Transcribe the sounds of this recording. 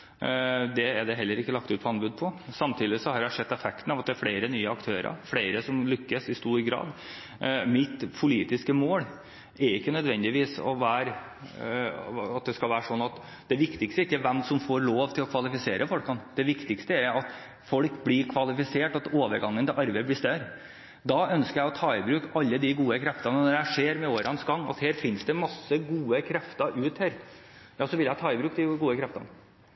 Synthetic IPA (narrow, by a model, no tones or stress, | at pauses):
d̪ɛːɖɛɦɛlːəɾɪkːəlɑkt̪ʉːt̪pʰɔɑnbʉd̪pʰɔsɑmt̪ʰiːd̪ɪsɔhɑɾjæɪʂɛd̪ːɛfɛkt̪n̩ɑʋɑt̪̚d̪ɛæɾfɽeɪɾənyːəɑkt̪ʰøːɾə̰ɾfleɪɾəsɔmlʏkːəsɪst̪uːɾɡɾɑ̰ːd̪ | mɪt̪pʰʊliːt̪ɪskəmoːl | ɛɾɪkːənœd̪ʋɛnd̪ɪʋiːsɔ̰ʋæːɾ | ɑt̪̚d̪ɛskɑlʋæːɾəʂɔnːɑt̪ | d̪̥ɛʋɪkt̪ɪkst̪əɪkːɛʋɛmsɔmfoːɾloːʋt̪ʰɪlɔkʰʋɑlɪfɪseːɾʔəfɔlkɑnd̪̥ɛʋɪkt̪ɪkst̪əæɾɑt̪ | fɔlkblɪkʰʋɑlɪfɪseːʈɑt̪oːʋəɾɡɑŋːənt̪ɪʔɑɾbɛɪblɪst̪œɾ | d̪ɑːœnskəɾjæɪɔt̪ʰɑːɪbɾʉːkɑlːəd̪ɪɡuːəkʰɾɛft̪ɑnənɔɾæʂeːɾmɛoːɾʔɑnsɡɑŋːɑ̰t̪heːɾfɪnsd̪ɛmɑsːəɡuːəkʰɾɛft̪ɑʔʉːt̪hæːɾ | jɑːsɔʋɪljæɪt̪ʰɑːɪbɾʉːkd̪ɪɡuːəkʰɾɛft̪ɑ̰n